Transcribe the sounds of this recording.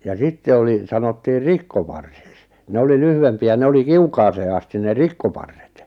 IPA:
jɑ sitːe oli sɑnotːiːr̆ rikːopɑrsiks ne oli lyhyʋempiæ ne oli kiukɑːseː ɑsti ne rikkopɑrːet

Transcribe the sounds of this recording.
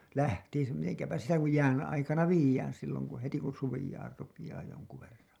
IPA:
læhtiːsæ miteŋkæpæ sitæ kuj jæːn ɑikɑnɑ ʋiːjæːn silːoŋ ku heti kun suʋijɑːr rupijɑː joŋku ʋerːɑ̃ː

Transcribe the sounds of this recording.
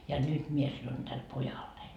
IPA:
jɑ nyt mie sɑnon d̥æl pojɑlːein

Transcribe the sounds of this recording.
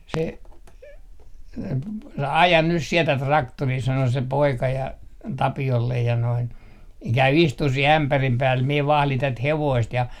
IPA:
se ɑjɑn nys siɛ tæt rɑktoriː sɑno se poikɑ jɑ tɑpiolːej jɑ noin kæy istuh sih æmpærim pæːl mie ʋɑhlin tæt heʋoist jɑ

